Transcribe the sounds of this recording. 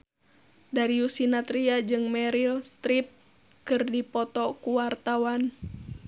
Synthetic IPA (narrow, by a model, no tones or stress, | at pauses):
daɾiusinat̪ɾiad͡ʒɨŋmɛɾilst̪ɾip̚ | kɨrdipɔt̪ɔkuwart̪awan